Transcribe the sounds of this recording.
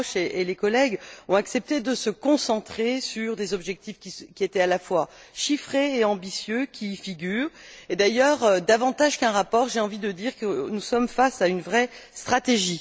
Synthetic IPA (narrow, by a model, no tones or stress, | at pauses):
ʃeelekɔlɛɡɔ̃aksɛp̚t̪ed̪əsəkɔ̃sɑ̃t̪χesyʁd̪ezɔbʒɛk̚t̪ifkʲikʲiet̪ɛalafwaʃifχeːɑ̃bisjøkʲifiɡʲyːʁed̪ajœʁød̪avɑ̃t̪aʒkɛ̃ʁapɔʁʒeɑ̃vid̪əd̪iʁkənusɔmfasaynvʁɛ | st̪χat̪eʒi